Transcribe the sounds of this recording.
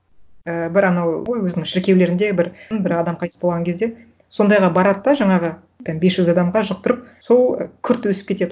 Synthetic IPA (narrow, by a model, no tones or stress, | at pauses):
əbɪɾɑnɑwjwɵznɪŋʃɪɾkʲe̞wle̞ɾɪnd̪e̞bɪɾnbɪɾɑd̪ɑmqʰɑjt̪əsbo̞lˠʁɑŋkʲʰed̪e̞ | so̞nd̪ɑjʁɑbɑɾɑt̪ːɑʒɑɴɑʁə | t̪ːɑnbesʒ̥ʏzɑd̪ɑmʁɑʒəq̚t̪ʊɾəp̚so̞l̰ˠkʲʰʏɾt̪ːɪwɵsɪ̥pkʲʰe̞t̪e̞d̪